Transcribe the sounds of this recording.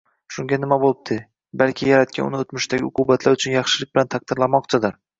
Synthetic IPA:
ʃʊŋɡʲanɪmabolˠɪb̚d̪̥ʰɪ | balkʲʰɪjaɾat̪̚kʲanʊ̰nɪot̪mʊʃt̪aɡʲɪʊqʰʊbat̪ʰlaɾʊt͡ʃʰʊnjɑχʃɪlɪk̚ʲb̥ɪlant̪ʰaq̚d̪̥ɪɾlamɒqt͡ʃʰad̪ɪɾ

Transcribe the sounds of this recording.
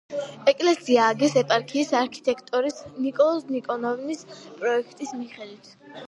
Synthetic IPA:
ɛkʼlɛsiaːɡɛsɛpʼaɾkʰiːsaɾkʰi̥t̪ʼɛkʰt̪ʼɔɾisnikʼɔlˠɔsnikʼɔnɔvnispʼɾɔɛkʰt̪ʼismiχɛd̪wit̪ʰ

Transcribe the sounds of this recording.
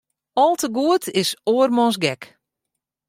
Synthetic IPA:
ɔlˠtəɡuətʰɪsoːərmɔns̬ɡɛk

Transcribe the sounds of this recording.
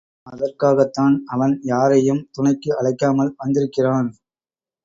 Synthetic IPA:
ɐðɐrkaːɣɐt̪ːaːnɐʋɐnjaːɾɐjɯmt̪ʊɳɐɪkːɯʔɐɭɐɪkːaːmɐlʋɐnd̪ɪɾɯkːɪraːn

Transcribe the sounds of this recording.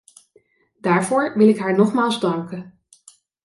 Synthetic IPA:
daːɹvoːɹʋɪlɪkɦaːɹnɔχmaːlˠzdɑŋkə

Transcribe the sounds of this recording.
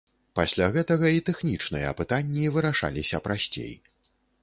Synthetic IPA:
pasʲlʲaɣɛt̪ɐɣɐit̪ɛxnʲit͡ʂnɨjɐ̰ɐpɨt̪anʲːivɨɾaʂa̰lʲisʲɐpɾasʲt͡sʲḛj

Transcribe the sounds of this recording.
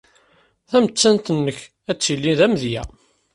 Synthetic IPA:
θæmət͡sːænt̪ənːəç | æt͡sːilːiðæməðjæ̰

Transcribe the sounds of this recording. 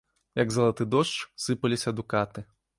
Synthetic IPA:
jɐɡzɐlˠat̪ɨd̪ɔʂt͡ʂsɨpɐlʲisʲɐd̪ukat̪ɨ

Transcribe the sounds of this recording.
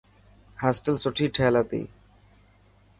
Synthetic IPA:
hasʈəlsoʈʰiʈʰɛːlat̪ḭ

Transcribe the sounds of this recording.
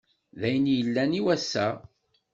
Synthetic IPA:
ðæjənjəlːæniwæsːæ

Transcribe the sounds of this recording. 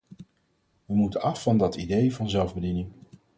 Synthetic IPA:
ʋəmutəɑfːɑndɑtidejvɑnzɛlˠvbədinɪŋ

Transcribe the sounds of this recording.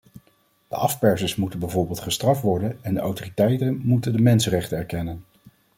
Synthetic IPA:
d̥əʔɑfpɛɹsəsmutənbɛjvoːɹbɪːlˠtχəstrɑftʋɔɹdənɛndəʔa̰wtoritɛjtənmutəndəmɛnsərɛχtənɛɹkɛnən

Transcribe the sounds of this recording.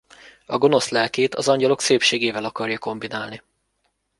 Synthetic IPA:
ɒɡo̞no̞slɛlkeːt̪ɒzɒɲɟɒlo̞kseːpʃeːɡeːvɛlɒkɒrjɒko̞mbinaːlni

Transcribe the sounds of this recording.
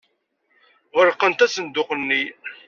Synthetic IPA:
ʁəɾqːənt̪æsənd̪ʊqənːi

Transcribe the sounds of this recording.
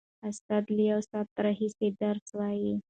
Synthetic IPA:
əst̪at̪lijawsat̪ːɾəɦised̪əɾswaji

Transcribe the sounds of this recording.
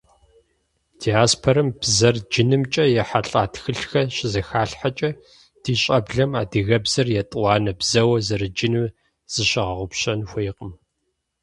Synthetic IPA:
d̥iaːspʰoɾɨmbzɐrd͡ʒɪnɨmt͡ʃʼɐjɛħaɬʼaːtxɨɬxɐɕʼɪzɐxaːɬħat͡ʃʼɐ | d̥iːɕʼɐbɮɐmaːdɨɣɐbz̥ɐrjɛtʼwɑːnɐbz̥ɐwɐzɐrɨd͡ʒɪnɨm | z̥ɨɕɪʁɐʁʷʊpɕɐnxʷejqʼəm

